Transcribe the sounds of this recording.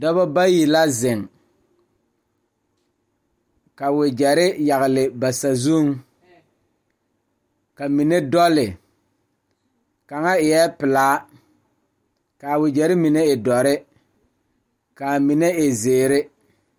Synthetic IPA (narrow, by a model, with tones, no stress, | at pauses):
dɔ˦βɔ˦ba˦ji˨la˦zɪ˨ŋ | ka˨wɪ˨d͡ʒɛ˨ɾɪ˦ja˨ɣɪ˨lɪ˨ba˨sa˨zu˦ŋ | ka˨mi˨ne˦dɔ˦lɪ˨ | ka˨ŋa˦ɪ˨jɛ˦pɪ˨laː˨˦ | ka˨wɪ˨d͡ʒɛ˨ɾɪ˦mi˨ne˦ɪ˨dɔ˨ɾɪ˦ | ka˨mi˨ne˦ɪ˨zeː˨ɾɪ˦